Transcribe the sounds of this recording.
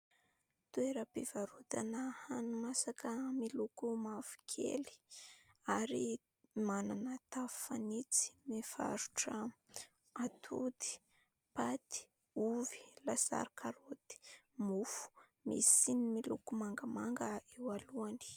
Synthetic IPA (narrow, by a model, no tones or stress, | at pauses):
t̪ueɾəpivaɾud̪anəhanumasakəmilukumafu̥kʰḛli̥ | aɾi | mananət̪av̥fanit͡si̥mefa̰ɾuʈ͡ʂə | at̪ʰud̪i̥ | pat̪i̥ | uvi̥lasa̰ɾikʰaɾod̪i̥ | mufu̥ | mḭsinimilukumaŋɡamaŋɡəewaluani̥